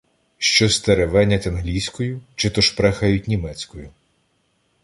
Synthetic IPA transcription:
ʃt͡ʃɔst̪eɾeʋɛnʲɐtʲɐnɦlʲijsʲkɔjʊt͡ʃɪt̪ɔʃpɾɛxɐjʊtʲnʲimɛt͡sʲkɔjʊ

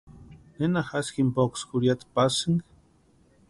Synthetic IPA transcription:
nenaxaskimpokskuɾjat̪pasɨŋ

